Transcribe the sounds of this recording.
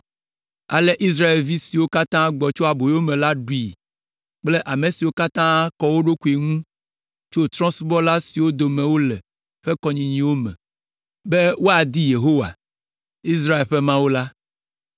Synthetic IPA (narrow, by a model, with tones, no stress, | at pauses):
a̰˨lɛ˦ʔi˦s̬ɾa˦e˨lvi˦si˨wo˦ka˦t̪ã˦ɡ͡bɔ˨t͡ʃo˦a˨bo˨jwo˦mɛ̃˨la˦ɖu˨i˨ | k͡ple˦ʔa˨mẽ˨si˨wo˦ka˦t̪ã˦kɔ˨wo˦ɖo˦ku˨e˨ŋũ˦ | t͡ʃo˦t̪ɾɔ̃˦sbɔ˦la˦si˨wo˦d̪o˨mẽ˨wo˦lɛ˨ | ɸɛ˦kɔ˨ɲĩ˨ɲĩ˨wo˦mɛ̰̃˨ | be˦wo˦a˨d̪i˦je˨ɦo˦wa̰˨ | i˦s̬ɾa˦e˨lɸɛ˦mã˦wo˦la˦